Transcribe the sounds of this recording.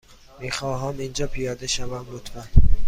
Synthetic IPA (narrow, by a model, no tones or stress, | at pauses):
miːxɒːɦæmind͡ʒɒːpʰijɒːd̪eʃævæmlot̪ʰfæn